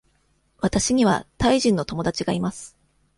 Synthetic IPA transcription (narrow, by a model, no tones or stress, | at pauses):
βat̪aɕiɲ̟iβ̞a̰t̪aiʑĩnːo̞t̪o̞mod̪at͡ɕiɡaimasɨ̥